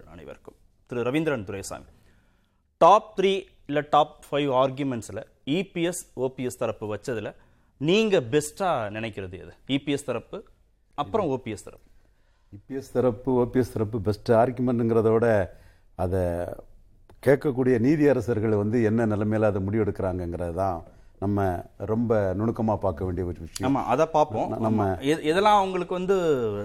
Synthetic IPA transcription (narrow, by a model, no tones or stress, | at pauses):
na̰ːɳɐ̰ʋɐ̰ɾkːɯm | t̪ɪɾɯɾɐʋɪnd̪ɾɐɳt̪ʊɾɐɪsa̰ːmḭ | ʈaːp̚t̪ɾiː | ɪlɐʈaːp̚fɐɪʋaːɾɡjʊmɛɳʈsɪlɐ | ipiɛsoːpiɛst̪ɐɾɐpːɯʋɐt͡ʃːɐðɪlɐ | niːŋɡɐbɛsʈaːnɪnɐɪkːɪɾɐðɯɛ̰ðɯiːpiɛst̪ɐɾɐpːɯ | ɐpːɯɾɐ̃oːpiɛst̪ɐɾɐpː | iːpiɛst̪ɐɾɐpːɯoːpijɛst̪ɪɾɐpːɯbɛsʈaːɾɣɯmɛɳɖɛnŋɡɪɾɐðoːɽɐ | ɐðɛ | keːʈ̚kːɐk̬ːuːɽɪjɐniːðɪɐɾɐsɐɾɣɐɭʋɐnd̪ɯɛnːɐnɐlɐmeːlɐðɐmʊɽɪjɛɽɯkːɪɾaːŋɡɐɛŋɡɪɾɐðɯt̪ãːnɐmːɐɾɔmbɐnʊɳɯkːɐmaːpaːɾkɐʋeːɳɖɪjɐʋɐt͡ʃːʋɪt͡ʃːɪjaːma̰ːʔɐðɐːpaːɾpõːnɐmːɐɛɪðɛlːãːɐʋɐŋɡɐɭɯkːɯʋɐnd̪ɯ